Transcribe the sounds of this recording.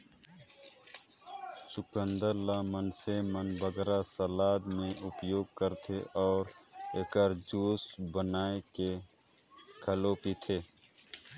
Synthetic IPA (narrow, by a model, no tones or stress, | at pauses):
sʊkə̃nd̪əɾlamənsemənbəɡɾasəlaːd̪mẽʔʊpjoːɡ̚kəɾt̪ʰeʔɔːɾ | eːkəɾd͡ʒuːsbənaːeke | kʰəloːpit̪ʰeː